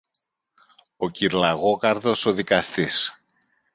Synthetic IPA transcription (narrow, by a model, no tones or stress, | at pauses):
o̞ciɾlɐɣo̞kɐɾðo̞so̞ðikɐst̪is